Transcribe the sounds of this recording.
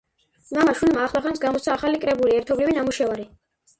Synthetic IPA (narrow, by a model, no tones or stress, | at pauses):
mamaʃulmaːχlˠaχansɡamɔt̪t̪sʰaːχalikʼɾɛbuliɛɾt̪ʰɔblivinamuʃɛvaɾi